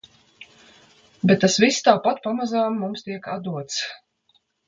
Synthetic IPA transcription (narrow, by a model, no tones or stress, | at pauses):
bɛt̪̚ːasvist̪awpat̪pamazaːmːumst̪iɛkad̪uɔt̪s